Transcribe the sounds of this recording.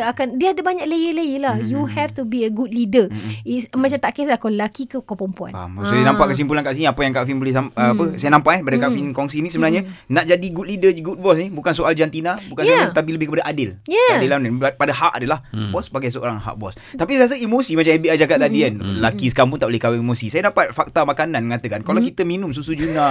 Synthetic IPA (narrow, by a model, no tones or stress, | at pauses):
akandiəadabaɲaʔləjələjəlahjuhɛft̪ubiəɡud̚lidəismat͡ʃamt̪aʔkɛslahkɔləlakikəkɔpəmpua̰na̰msoanãmpaʔkəs̬impulankaʔs̬iniapajaŋkafinbolɪsamapəsajanãmpaʔɛpadakafinkɔŋs̬iːnĩsəbənaɲənaʔd͡ʒadiɡut̪lidəɡut̪̚bɔsnibukansoʔald͡ʒant̪inabukansoast̪ap̬iləbɪhkəpadaʔadɪljaadɪlamnənpadaɦaʔadəlahbɔsbaɡajs̬əo̰ɾaŋɦa̰ʔ̚bɔs | t̪apisaas̬əimosimat͡ʃamhebiad͡ʒaɡat̪̚t̪adianlakisə̥kaɾamp̬unt̪aʔolɪhkawɛimosisajadapat̪̚fak̚t̪amakananməŋat̪əkankalawkit̪əminʊms̬usud͡ʒuna